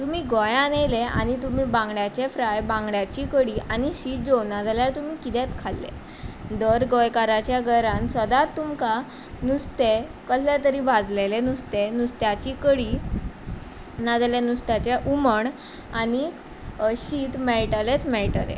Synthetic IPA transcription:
t̪um̤iːɡɔjanelea̰ñit̪um̤iːbãŋɡɽjat͡ɕefɾajbãŋɡɽjat͡ɕiːkəɽiʔañiɕiːt̪̚d͡zonad͡zaljaɾt̪umiːkit̪ɛt̪kʰalːḛ | d̪əɾɡɔjkaɾat͡ɕjaɡʱəɾãnsəd̪at̪ːumka | nust̪ekəslat̪əɾiːbʱad͡zlelenust̪enust̪jat͡ɕiːkəɽiː | nad͡zljenust̪at͡ɕaʔuməɳ | ani | ɕiːt̪mɛɭʈalet͡smɛɭʈəlḛ

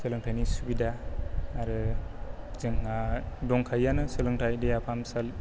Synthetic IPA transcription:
sɯlɯŋtʰajnisubidaː | ɾɯ | zɯŋadɔŋkʰajːanɯsɯlɯŋtʰajdejapʰamsal

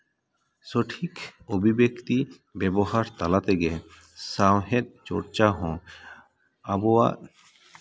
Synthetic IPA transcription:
soʈʰikobʱibekt̪i | bɛboɦaɾt̪alat̪eɡɛ | sawɦed̪̚t͡ʃo̰ɽt͡ʃaɦɔ̃ | abowa̰

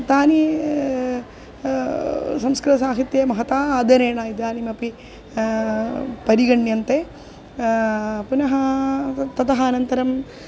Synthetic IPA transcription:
t̪aːni | sɐmskɾit̪ɐsaːɦit̪jɐmɐɦɐt̪aːaːd̪ʱɐɾeːɳaːid̪aːnimɐpi | pɐɾiɡɐɳjɐnt̪eː | punɐɦɐt̪ɐt̪ɐɦɐːnɐnt̪ɐɾɐm

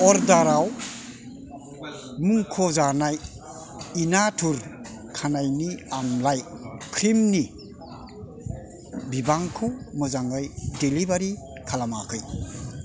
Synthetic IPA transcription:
ɔɾdaɾaw | muŋkʰɔzanaj | inatʰuɾ | kʰanajniamlajkʰɾimni | bibaŋkʰɯmɯzaŋɯjdelibaɾi | kʰalamakʰɯj

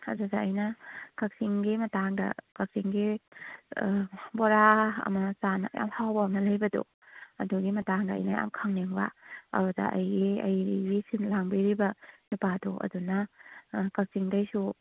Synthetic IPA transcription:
adudaːjnɐkak̚siŋɡimɐtaŋdɐ̰kak̚siŋɡi | bɔɾaɐ̰mɐsana̰ja̰mhawbamnɐlɐjbɐdo̰ | ɐduɡimɐtaŋdaɐ̰jnɐja̰mkʰaŋneŋba̰ɐ̰ɾudɐ̰ʔɐjɡiɐjɡisinlaŋbiɾibɐnipado̰ʔɐ̰duna | kak̚siŋdajsu

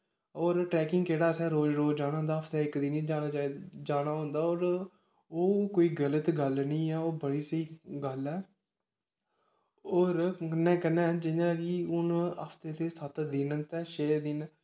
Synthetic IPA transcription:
ɔːɾʈɾɛːkɪŋɡkeːɽaːsɛːɾoːd͡ʒɾoːd͡ʒd͡ʒaːnãːɦʊnd̪aːəpʰt̪ɛːɪkd̪iːniːd͡ʒaːnaːd͡ʒad͡ʒaːnaːɦʊ̃nd̪aːɔːɾ | oːkoːiːɡələt̪ɡəlnəĩːɛːoːbəɽiːsəiːɡəlɛː | ɔːɾənːɛ̃ːkənːɛ̃ːd͡ʒɪnãːkiːʊnəpʰt̪eːt̪eːsət̪d̪ɪnt̪ɛːʃeːd̪ɪn

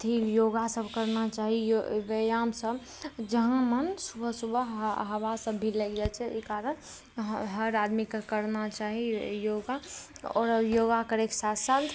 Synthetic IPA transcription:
t̪ʰijoːɡasəbʱkəɾnat͡ʃaːɦijoʋəjaːmsəb | d͡ʒəɦãmənsʊbʱəsubʱəɦəʋasəbːiləɡd͡ʒat͡ʃʰɛkaːɾən | ɦəɾaːd̪mikakəɾnat͡ʃaːɦijoːɡaɔ̰ːɾjoːɡakəɾeːksaːt̪ʰsald̪

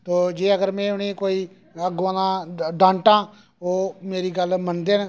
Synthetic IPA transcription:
t̪oːd͡ʒeːəɡəɾmɛ̃ːʊneːkoːiː | əɡʋãːnãːɖãːɳʈãː | oːmeːɾiːɡəlmənd̪eːn

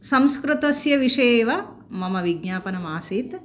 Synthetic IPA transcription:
sɐmskɾut̪ɐsjɐʋiʂeːʋɐ | mɐmɐʋiɡɲaːpɐnɐmaːsit̪

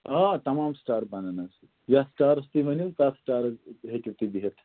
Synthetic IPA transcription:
at̪ɐmaːmsʈaːɾbananasʰi | jasʈaːɾɐst̪iʋɐnik̪asʈaːɾɦekiɾt̪ib̪iɦet̪ʰ

